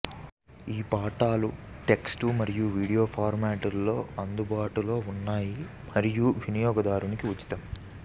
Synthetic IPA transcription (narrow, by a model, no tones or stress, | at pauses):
iːpaːʈaːluʈe̞ksʈumɐɾijuʋiːɽijo̞ːpʰaːɾmaːʈulːo̞ːɐnd̪ubaːʈulo̞ːunːaːji | mɐɾijuʋʱinijɔːɡɐd̪aːɾunikiut͡ʃːi̥t̪ɐm